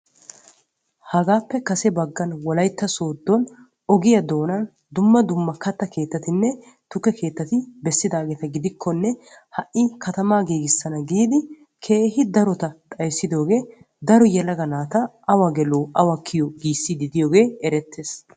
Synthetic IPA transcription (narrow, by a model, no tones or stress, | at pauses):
hɐɡaːpːɛkɐsɛbɐɡːɐnwɔlɐjt̪ːɐso̞ːd̪ːɔn | ɔɡɪjɐd̪o̞ːnɐn | d̪ʊmːɐd̪ʊmːɐkɐt̪ːɐke̞ːt̪ːɐt̪ɪnːɛ | t̪ʊkːɛkʰe̞ːt̪ːɐt̪ɪbɛsːɪd̪aːɡeːt̪ɐɡɪd̪ɪkʰːɔnːɛ | hɐʔʔɪkɐt̪ɐmaːɡiːɡɪsːɐnɐɡiːd̪ɪ | kʰe̞ːɦɪd̪ɐɾɔt̪ɐt̪ʼɐjsːɪd̪o̞ːɡe̞ː | d̪ɐɾɔjɛlɐɡɐnaːt̪ɐ | ɐwɐɡɛloːʔɐwɐkʰːɪjɔɡiːsːɪd̪ɪd̪ɪjoːɡe̞ːɛɾɛt̪ʰːeːs